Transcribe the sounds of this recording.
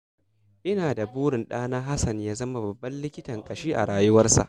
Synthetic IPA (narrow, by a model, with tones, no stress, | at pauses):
ʔɪ˦naː˨da˨buː˦ɽɪ˨nɗaː˦naː˦ɦa˦sɐ˨ɲjaː˦zɐ˦ma˦bɐ˨bːɐ˦nlɪ˦kʲɪ˦tɐ˨ŋkʼɐ˨ʃiː˦ʔa̰˨ɽaː˨jʊ˦wɐ˦rsa̰˨ʔ